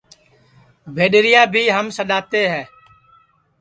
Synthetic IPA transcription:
ʋʱeːɗɾɪjaːbʱiːɦəmsəɗaːt̪eːɦɛː

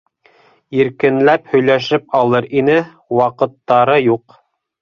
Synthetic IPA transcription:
jiɾkɘ̆nlæphɵ̆jlæʃɘp̚ɑlˠɤɾinɘ | wɑqɤ̆t̪ːɑɾɤjuq

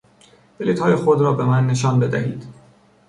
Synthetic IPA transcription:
b̥eliːt̪hɒːjexod̪ɾɒːbe̞mænːe̞ʃ̬ɒːnbe̞d̪æ̰hḭːd̪̥

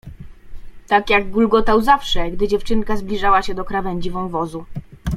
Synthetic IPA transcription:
t̪akjaɡɡulɡɔt̪awzafʂɛɡd̪ɘd͡ʑɛft͡ʂɘŋkazblʲiʐawaɕɛd̪ɔkɾavɛɲʲd͡ʑivɔ̃w̃vɔzu

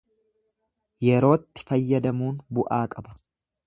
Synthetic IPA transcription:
jɛɾo̞ːt̪ːɪ̥fɐjːɐd̪ɐmuːnbʊʔaːkʼɐbɐ̥

